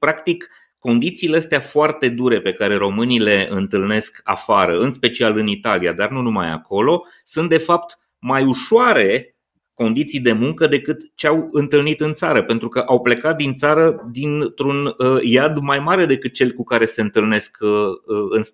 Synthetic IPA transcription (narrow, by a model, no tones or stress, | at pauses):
pɾakt̪ikː | o̞nd̪it̪siːleəst̪eafoart̪e̞d̪uɾe̞pe̞kaɾe̞ɾo̞mɨnile̞ɨnt̪ɨlne̞ska̰faɾəɨnspe̞t͡ʃialɨnit̪alijad̪arnunuma̰ja̰ko̞lo̞ | sunt̪d̪e̞fapt̪ | majuʃoaɾe̞ | ko̞nd̪it̪sijd̪e̞muŋkəd̪e̞kɨt̪t͡ʃeawɨnt̪ɨlnit̪ɨnt̪saɾəpe̞nt̪ɾukəʔawple̞kat̪̚d̪int̪saɾəd̪int̪ɾunjad̪majmaɾe̞d̪e̞kɨt̪̚t͡ʃe̞lʲkukaɾe̞se̞ɨnt̪ɨlne̞skəɨns